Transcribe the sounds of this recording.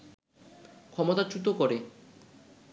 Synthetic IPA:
kʰɔmot̪at͡ɕut̪okoɾe

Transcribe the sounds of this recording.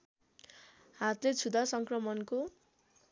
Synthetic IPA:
hat̪let͡sʰud̪ʱasʌŋkrʌmʌnko

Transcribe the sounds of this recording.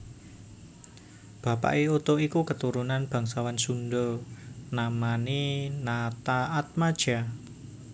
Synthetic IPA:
b̥a̤pa̰ʔeut̪oikukət̪uɾunanb̥a̤ŋsawansunɖonamaninat̪aːt̪̚mad̥ʒ̥a

